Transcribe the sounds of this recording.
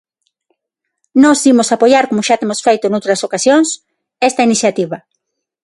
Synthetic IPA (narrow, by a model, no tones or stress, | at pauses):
nɔsimʊsapojaɾkomʊʃat̪emosfejt̪ʊnowt̪ɾɐsokasjõŋs | ɛst̪ɐiniθjat̪iβɐ